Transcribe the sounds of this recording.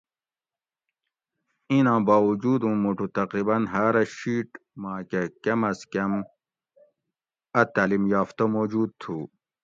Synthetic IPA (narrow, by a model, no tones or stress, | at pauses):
inãːbaːwud͡ʑuːd̪ũːmuʈut̪ɐqɾibɐnɦaːɾɐɕiːʈmãːkekemɐskem | ɐt̪aːlimjaːft̪omoːd͡ʑuːd̪̚t̪ʰuː